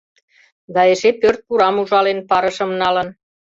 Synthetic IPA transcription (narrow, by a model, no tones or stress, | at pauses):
d̪ɑeʃepørt̪̚kuɾɑmuʒɑlenpɑɾə̆ʃə̆mnɑlən